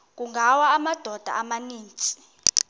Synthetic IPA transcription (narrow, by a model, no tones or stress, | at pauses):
k̬ʼuŋɡʱawaːmad̥ʱɔd̥ʱa̰ʔamaniːnt͡ʃʼi̥